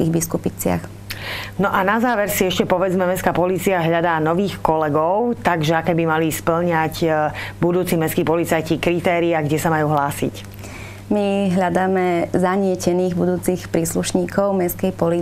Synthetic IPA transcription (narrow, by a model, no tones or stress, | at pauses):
iɣbiskupit͡sɪa̰x | nɔʔanazaːʋɛɾsiɛʃcɛpɔʋɛd͡zmɛmɛskaːpɔliːt͡siaɦʎad̪aːnɔʋiːxkɔlɛɡɔʊt̪aɡʒɛakɛbimalispl̩ɲacbud̪uːt͡simɛskiːpɔlit͡sajcikɾit̪ɛːɾiaɡɟɛsamajuːɦlaːsḭc | miɦʎad̪aːmɛzaɲɪɛcɛniːɣbud̪uːt͡sixpɾiːsluʃɲiːkɔʊmɛskɛjpɔli